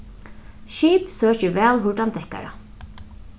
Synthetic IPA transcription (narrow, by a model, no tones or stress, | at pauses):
ʃiːpsœːcɪʋɛːlɦʊʈ̪ant̪ʰɛhka̰ɾa̰